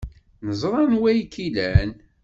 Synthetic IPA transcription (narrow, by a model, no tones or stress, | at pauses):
nəzˤɾˤɑnwæjkːilæn